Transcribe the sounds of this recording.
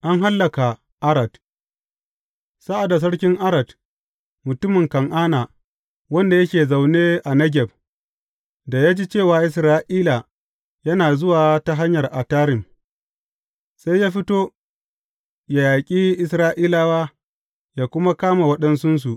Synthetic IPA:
ʔa˦ŋɦa˦lːɐ˨ka˨ | ʔa˦ɾɐ˨t | sa˦ʔa˨da˨s̬ɐ˦ɽkʲɪ˦ŋʔa˦ɾɐ˨d | mʊ˨tʊ˦mɪ˨ŋkɐ˨ŋʔaː˦na˨ | wɐ˦nda˨jɐ˦kʲeː˨za˨wneː˦ʔa˨nɐ˦ɡʲɛ˨b̚ | da˨jaː˦d͡ʒi˦t͡ʃeː˦˨waː˨ʔɪ˨s̬ɾaː˦ʔiː˦la˨ | jɐ˦naː˨zʊ˦waː˨ta˦ɦa˦ɲjɐ˨rʔa˨taː˦ɾɪ˨m | sa˦jːaː˦ɸɪ˦toː˦ | ja˨jaː˨kʲʼiː˦ʔɪ˦˨sɾaː˦ʔiː˦laː˦waː˦ | jaː˨kʷʊ˦ma˦kaː˦ma˨wɐ˦ɗɐ˦nsʊ˦ns̬u˨ʔ

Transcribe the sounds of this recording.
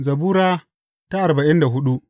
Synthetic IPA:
zɐ˨buː˦ɾaː˦ | ta˦ʔa˨ɾba˨ʔɪ˦nda˨ɦʊ˦ɗu˦

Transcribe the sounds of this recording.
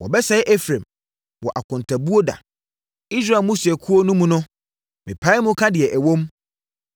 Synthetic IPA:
wɔ̰˨bɛ˦sɛ˦ɪ˦ʔɛ˦fɾã˨m | wɔ˨ʔa˨kʰʊ̃˨n˨tʰa˨bu˦o˦da̰˨ | i˦s̬ɾa˨mũ˦si˨ɛ˨kʰu˦o˦nʊ̃˦mũ˨nʊ̃˦ | mɪ̃˨pʰa˦ɪ˦mʊ̃˦kʰa˦dɪ˨ɛ˨ʔæ˨wõ˦m

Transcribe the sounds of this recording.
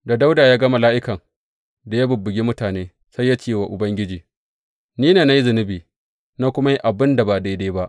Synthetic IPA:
da˨da˦wdaː˨jaː˦ɡɐ˦mɐ˨laː˦ʔɪ˦kɐ˨ŋ | da˨ja˦bʊ˨bːʊ˨ɡʲi˦mʊ˦taː˨neː˦ | sa˦jːa˦t͡ʃeː˦˨wa˨ʔʊ˨bɐ˦ŋɡʲɪ˦d͡ʒiː˨ | niː˦neː˨na˦ji˦zʊ˨nɪ˦biː˨ | na˦kʷʊ˦ma˦ji˦ʔa˨bɪ˦nda˨ba˨da˦jdaː˦ba˦ʔ

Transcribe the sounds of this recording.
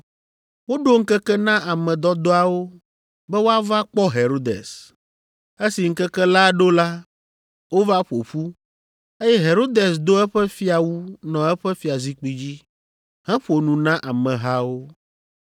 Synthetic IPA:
wo˦ɖo˦ŋ̩˦kɛ˦kɛ˦nã˦ʔa˨mɛ̃˨d̪ɔ˦d̪ɔ˦a˨wo˦ | bɛ˦wo˦a˦va˦k͡pɔ˦ɦe˨ɾo˦d̪ḛ˨s | e˦si˨ŋ̩˦kɛ˦kɛ˦la˦ɖo˦la˦ | wo˦va˦ɸo˨ɸu˦ | e˦jɛ˦ɦe˨ɾo˦d̪e˨sd̪o˦ɛ˦ɸɛ˦fi˦a˨wu˦nɔ̃˨ɛ˦ɸɛ˦fi˦a˨zi˦k͡pi˦d͡ʑi˦ | hɛ̃˦ɸo˨nũ˨nã˦ʔa˨mɛ̃˨ɦa˦wo˦

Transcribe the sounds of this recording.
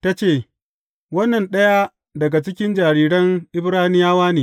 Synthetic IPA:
ta˦t͡ʃeː˦˨ | wɐ˦nːɐ˨nɗɐ˦ja˦ | dɐ˨ɡa˨t͡ʃɪ˦kʲɪ˦nd͡ʒaː˨ɾiː˦ɽɐ˦ŋʔɪ˦bɾaː˦nɪ˦jaː˦waː˦neː˨

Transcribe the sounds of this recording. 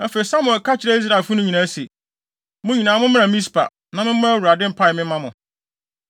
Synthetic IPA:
ɛ˦fe˨i˨sa˦mʊ̃˨ɛ˨ka˦t͡ɕʰɪ˨ɾe˦i˦s̬ɾa˨fʊ˦nʊ̃˦ɲĩ˨nã˦se˨ | mʊ̃˦ɲĩ˨nãː˨mʊ̃˦mɪ̃˦ã˨mĩ˦s̬pʰa̰˨ | nã˨mɪ̃˦m̩˦ʊ̃˦wu˨ɾa˨dɪ̃˦m̩˦pʰa˦ɪ˨mɪ̃˦mã˦mʊ̃˨

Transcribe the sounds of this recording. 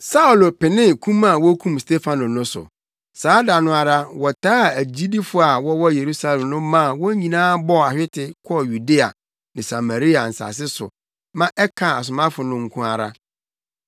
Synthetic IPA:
sa˦u˨lpɪ˨nɪ̃˦kʰũ˦ma˦˨wɔ˦kʰũ˦mstʰe˦fa˨nʊ̃˨nʊ̃˦sʊ̰˨ | saː˨˦da˨nʊ̃˦a˨ɾa˦wɔ˨tʰaː˦˨æ˨d͡ʑi˦di˦fʊ˨a˨wɔ˦wɔ˦je˨ɾu˦sa˦lɛ˨mnʊ̃˦mã˦˨wɔ˦ɲĩ˨nãː˦bɔ˦˨a˨ɕᶣɪ˦tʰɪ˨kʰɔ˦˨ju˨de˦a̰˨ | nɪ̃˨sa˨ma˨ɾi˦a˨n̩˨sa̰˨s̬ɪ˦sʊ̰˨ | mã˦ʔɛ˦kʰa˨a˨s̬ʊ˨mã˦fʊ˨nʊ̃˦ŋ̩˦kʰũ˦a˨ɾa˦

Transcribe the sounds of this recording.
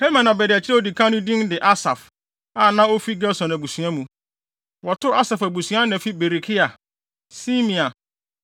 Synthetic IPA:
he˦mã˨nã˨bɛ˨dɪ˨æ˨t͡ɕʰɪ˦ɾɛ˦o˦di˨kʰã˦nʊ̃˦dĩ˦ndɪ˨ʔa˦sa˨f | a˨nã˦o˦fi˦ɡɛ˦sɔ̃˨næ˨bu˨sũ˨ã˦mũ˨ | wɔ˨tʰʊ˦ɾa˦sa˨fæ˨bu˨sɥã˦nɛ̃˨fi˦be˨ɾi˨kʰi˦a˨ | si˦mĩ˨a˨

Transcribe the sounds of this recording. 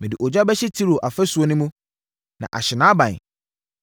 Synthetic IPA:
mɪ̃˨dɪ˨ʔɔ˨d͡ʑᶣa˦bɛ˦ɕɪ˦tʰi˦ɾo˨ʔa˨fɛ˦su˨o˨nʊ̃˦mũ˦ | nã̰˨ʔa̰˨ɕɪ˨nãː˨˦bã˨n˨

